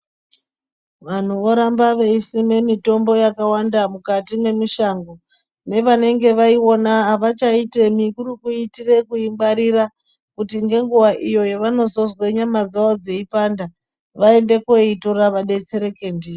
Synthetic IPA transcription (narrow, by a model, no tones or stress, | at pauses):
ʋan̤uʋoɾambaʋe̞isime̞mito̞mbo̞jakawandamukatime̞miʃaːŋɡo̞ | ne̞ʋane̞ŋɡe̞ʋaio̞naɦaʋat͡ʃaitemikurikuitire̞kuimbaɾira | kutiŋɡe̞ŋɡuwaʔijo̞jeʋano̞zo̞zwe̞ɲamad͡zawod͡ze̞ipanda | ʋaende̞koitoraʋaɗe̞t͡se̞ɾe̞ke̞ndiːe